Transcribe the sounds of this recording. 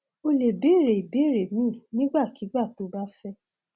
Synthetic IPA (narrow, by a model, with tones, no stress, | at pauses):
o˧le˨be˨˦˨ɾe˨i˨be˨˦˨ɾe˨mĩ˨˦˨nĩ˦ɡ͡ba˦˨ki˨˦ɡ͡ba˦˨to˨˦ba˦fɛ˦